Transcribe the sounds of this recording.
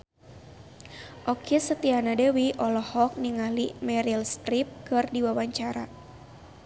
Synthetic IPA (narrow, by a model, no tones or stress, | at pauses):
ʔɔkisət̪ianadəwiʔɔlɔhɔk̚niŋalimɛɾilst̪ɾip̚kɨrdiwawaɲt͡ʃaɾa